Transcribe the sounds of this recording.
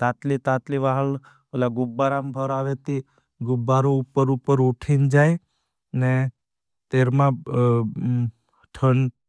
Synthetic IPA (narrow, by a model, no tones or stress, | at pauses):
t̪at̪lit̪at̪liʋaɦəɭ | əlaɡʊbːaɾambʱəɾaʋet̪i | ɡʊbːaɾoupːəɾupəɾuʈʰind͡ʒaj | ne | t̪eɾmã | ʈʰəɳ